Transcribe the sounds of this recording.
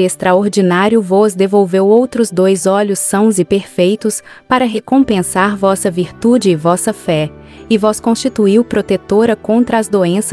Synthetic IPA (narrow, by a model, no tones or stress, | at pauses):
est̪ɾaoɾd͡ʒinaɾjʊvɔzd̪evowvewowt̪ɾʊzd̪ojzɔʎʊsːɐ̃w̃zɪpeɾfejt̪ʊs | paɾɐɦekõpẽsaɾvɔsɐviɾt̪ud͡ʒɪːvɔsɐfɛ | ɪvɔskõst͡ʃit̪uiwpɾot̪et̪oɾɐkõnt̪ɾɐːzd̪oẽs